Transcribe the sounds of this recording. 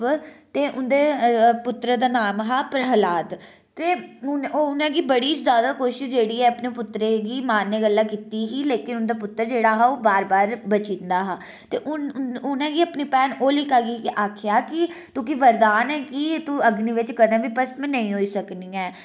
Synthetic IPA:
t̪eːʔʊnd̪eːpʊt̪ɾəd̪aːnaːmɦaːpəɾɦəlaːt̪ | t̪eːʊnːʊnãːɡiːbəɽiːzjaːd̪aːkoːʃɪʃd͡ʒeːɽiːɛːəpneːpʊt̪ɾeːɡiːmaːnːeːɡəlːãːkiːt̪iːɦiːleːkɪnʊnd̪aːp̬ʊt̪ːəɾd͡ʒeːɽaːɦaːoːbaːɾbaːɾbət͡ʃĩnd̪aːɦaː | t̪eːʔʊnʊnãːɡiːəpniːpɛːnoːlɪkaːɡiːkʔaːkʰjaːkɪt̪ũːkiʋəɾd̪aːnɛːkit̪uəɡniːʋɪt͡ʃkəɾd̪ãːʋiːpəsmɛ̃ːnə̃ĩːɦoːiːsəkniːɛː

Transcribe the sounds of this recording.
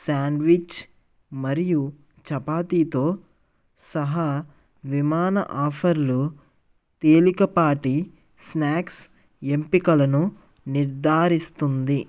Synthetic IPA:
saːɳɖʋit͡ʃ | mɐɾiju | t͡ʃɐpaːt̪iːt̪o̞ː | sɐɦaː | ʋimaːnɐʔaːpʰɐɾlu | t̪eːlikɐpaːʈi | snaːks | empikɐlɐnu | niɾd̪ʱaːɾist̪und̪i

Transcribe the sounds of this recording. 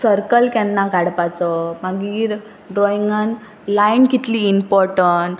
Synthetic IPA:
səɾkəlkɛ̃nːakaɽpat͡sɔmaɡiːɾ | ɖɾɔiŋɡan | lainkit̪liːmpɔɾʈəɳʈ

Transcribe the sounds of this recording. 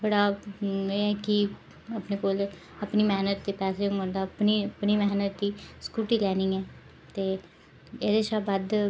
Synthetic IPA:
bəɽaːeːɛːkɪ | apneːkoːl | əpniːmɛːnət̪ːeːpɛːseːʊ̃mənd̪aːpniːpniːmɛːnət̪ːiːskuːʈiːlɛːniːɛː | t̪eː | eːd̪eːʃaːbaːd̪

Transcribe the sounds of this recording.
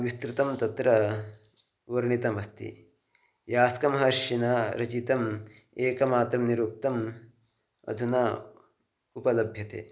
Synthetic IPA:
ʋist̪ɾut̪ɐmt̪ɐt̪ɾɐ | ʋɐɾɳit̪ɐmɐst̪ḭ | jaːskɐmɦɐɾʃinaːɾɐt͡ʃit̪ɐm | eːkɐmaːt̪ɾɐmniɾuk̚t̪ɐm | ɐ̰d̪ʱuna | upɐlɐbʱjɐt̪ḛː

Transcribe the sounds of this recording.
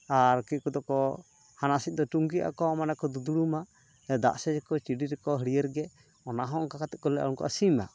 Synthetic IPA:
aɾkɛkud̪ɔkɔ | hanasit̪̚ˀd̪ɔʈuŋɡia̰kɔmanɛkɔd̪ud̪uɽumaʔ | d̪a̰ʔsɛd͡ʒɛkɔt͡ʃiɖiɾɛkɔɦəɽijəɾɡɛ | ɔnaɦɔ̃ŋkakat̪ɛʔ̚kɔlɛʔa̰unkɔ̰ʔasima̰ʔ

